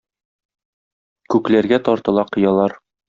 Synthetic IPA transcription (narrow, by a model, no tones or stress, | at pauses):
kʉklæɾɡæt̪ɒɾt̪ɤ̆lˠɑqɤ̆jɑlˠɑɾ